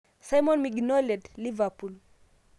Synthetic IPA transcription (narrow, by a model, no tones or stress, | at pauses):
sajmɔnmiɡnɔledlivapul